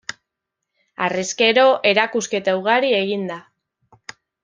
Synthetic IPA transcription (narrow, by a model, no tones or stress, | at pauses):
a̰reske̞ɾo̞ʔe̞ɾakuske̞t̪auɣ̞aɾie̞ɣind̪a